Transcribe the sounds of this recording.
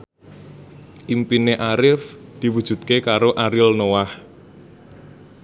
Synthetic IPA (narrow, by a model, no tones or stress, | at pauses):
ʔimpineʔaɾɪfd̪̥i̤wud̥ʒ̥ṳt̪̚kekaɾoʔaɾɪlnowah